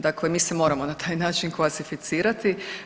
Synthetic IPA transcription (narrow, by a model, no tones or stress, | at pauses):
d̪akle̞miːsemo̞ːɾamo̞nat̪ʰaːjnaːt͡ʃinkʋasifit̪siːɾat̪i